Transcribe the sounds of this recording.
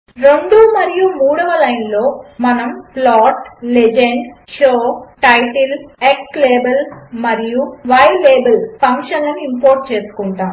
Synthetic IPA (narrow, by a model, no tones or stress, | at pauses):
ɾe̞ɳɖumɐɾijumuːɽɐʋɐlɐjnlo̞ːmɐnɐmplaːʈled͡ʒeɳɖʃoːʈɐjʈilekʈleːbɐlsmɐɾijuʋɐjleːbɐlpʰɐŋkʂɐnlɐnuimpoːɾʈ̚t͡ʃe̞ːsu̥kuɳʈaːm